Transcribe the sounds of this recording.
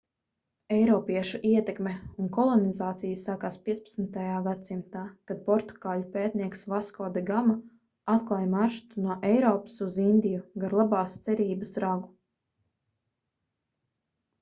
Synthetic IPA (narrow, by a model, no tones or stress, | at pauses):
ɛjɾɔːpiɛʃuʔiɛt̪ɛkmeunkɔlˠɔnizaːt̪sijasaːkaːspʲiɛt̪pḁt̪snt̪ajaːɡat̪̚simt̪aːkad̪̥̚pɔɾt̪u̥ɡaːlupeːt̪niɛksvaskɔːd̪ɛɡama | at̪klˠajmaɾʃt̪unuɔʔɛjɾɔːpḁsuzind̪ijuɡaɾlˠabaːst̪sɛɾiːbasɾaɡu